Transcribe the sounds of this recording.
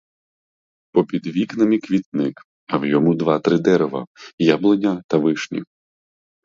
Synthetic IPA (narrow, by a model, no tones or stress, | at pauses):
pɔpʲid̪ʋʲiknɐmʲikʋʲit̪nɪk | ɐwjɔmud̪ʋɑt̪ɾɪd̪ɛɾɛʋɐ̰jablˠenʲːɐt̪ɐʋɪʃnʲḭ